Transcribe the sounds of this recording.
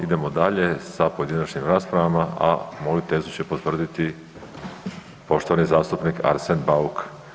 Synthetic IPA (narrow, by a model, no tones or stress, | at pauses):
id̪e̞mo̞d̪aʎe̞sapoed̪inat͡ʃɲimɾaːspɾaʋamaa̰mo̞jut̪e̞ːzut͡ɕe̞po̞t̪ʋr̩d̪it̪i | po̞ʃt̪o̞ʋanizaːst̪upnikʰa̰ɾsenbauk